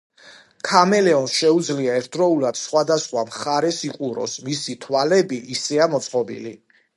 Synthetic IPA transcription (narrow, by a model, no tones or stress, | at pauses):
kʰamɛlɛɔnsʃɛud̪zliaɛɾt̪ʰɾɔulad̪̥sχwad̪asχwamχaɾɛsiqʼuɾɔ̰smisit̪ʰwalɛbiʔːsɛamɔt̪sʰʼqʼɔbḭli